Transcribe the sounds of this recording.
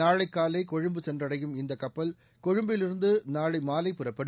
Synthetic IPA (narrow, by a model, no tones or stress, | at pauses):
aːɻɐɪkːaːlɐɪkɔɻɯmbɯsɛndrɐɽɐjɯmɪnd̪ɐkɐpːɐl | kɔɻɯmbɪlɪɾɯnd̪ɯnaːɻɐɪmaːlɐɪpːɯrɐpːɐɽɯ